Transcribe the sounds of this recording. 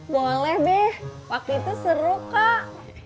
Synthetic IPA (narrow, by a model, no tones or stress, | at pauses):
bolɛhbɛhwak̚t̪uit̪usəɾukaʔ